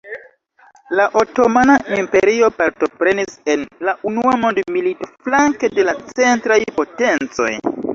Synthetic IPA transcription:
laʔo̞to̞manaʔimpe̞ɾio̞paɾto̞pɾe̞nise̞nlaʔunuamondmilito̞flaŋke̞de̞lat͡se̞ntɾajpo̞te̞nt͡so̞̰j

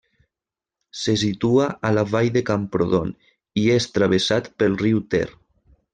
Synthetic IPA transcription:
sesit̪uaalaβajðekampɾoðon | iest̪ɾaβ̞esat̪pəlˠriwt̪ɛ̰r

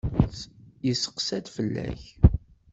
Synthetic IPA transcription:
jəsə̥qsæd̪fəlːæ̰ç

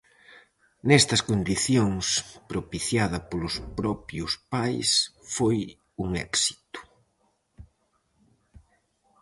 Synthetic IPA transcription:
nɛst̪ɐskond̪iθjoŋspɾopiθjaðɐpolʊspɾɔpjʊspajsfoj | uŋɛ̰ksi̥t̪ʊ̥

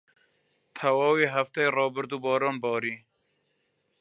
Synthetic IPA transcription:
t̪ʰɛwɑːwiːɦæft̪ɛjrɑːbɨɾd̪uːbɔːɾɑːnbɑːɾiː

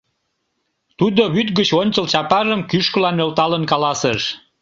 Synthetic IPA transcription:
t̪ud̪oβyt̪ɡət͡ɕonʲt͡ɕəlt͡ɕɑpɑʒəmkyʃkəlɑnølt̪ɑlənkɑlɑsəʃ

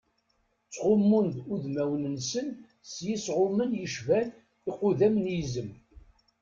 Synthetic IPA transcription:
t͡sːʁʊmːund̪uðmæwnənsən | sjisʁʊmənjəʃvæl | iqʊðæmnjizəm

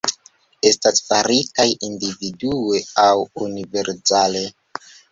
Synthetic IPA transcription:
e̞stasfaɾikajindividueawunive̞ɾsale

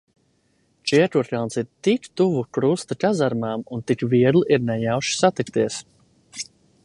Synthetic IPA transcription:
t͡ʃiɛkuɾkʲalnsiɾt̪ikt̪uvukɾust̪ɨkazaɾmaːmunt̪ikviɛɡlˠʔiɾnɛjawʃi̥sat̪ikt̪iɛs

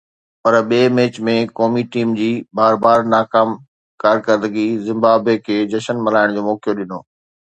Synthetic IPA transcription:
pɐɾɓeːmeːt͡ɕmẽkɔːmiʈiːmd͡ʑiːbaːɾbaːɾnaːkaːm | kaːɾkəɾd̪əɡizɪ̃mbaːbekʰeːd͡ʑɐʃənmɐlaːɪɽ̃d͡ʑoːmɔːkjoɗɪnoː

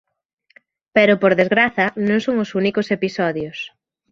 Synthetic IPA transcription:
peɾʊpoɾðezɣɾaθɐnõŋsoŋosunikosepisɔðjos

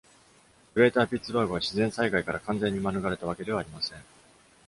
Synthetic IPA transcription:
kɯ̟ɾe̞ːt̪aːpʲitt͡sɨbaːɡoβaɕizẽ̞saiɡaikaɾakãnd͡zẽ̞ɲ̟ːimanɯ̟ɡaɾe̞t̪aβ̞ake̞d̪e̞β̞aːɾʲimasẽ̞ŋ

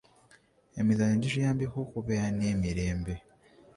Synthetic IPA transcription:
emizaɲeɲɟiʒijaːmbikokuβeɾaneːmiɾe̞ːmbe̞

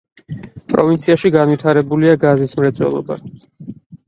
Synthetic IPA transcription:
pʼɾɔvint̪sʰiaʃiɡanwit̪ʰaɾɛbuliaɡazismɾɛt̪sʼwɛ̰lˠɔ̰ba̰

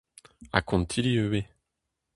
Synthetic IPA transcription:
a̰kʰɔ̃nt̪ʰiliøbe

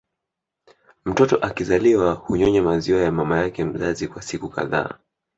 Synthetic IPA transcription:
m̩tɔtɔʔakizaliwahuɲɔɲamaziwajamamajakɛm̩zazikwasikuka̰ða̰ː

